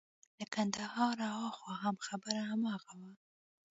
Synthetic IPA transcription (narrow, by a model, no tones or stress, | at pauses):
d̪əkand̪ahɑɾawɑxwɑɦamxabəɾaɦamɑɣawa